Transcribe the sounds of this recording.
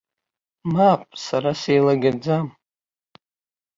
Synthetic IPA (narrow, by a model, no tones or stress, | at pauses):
mapʼsaɾasejlaɡʲad͡zam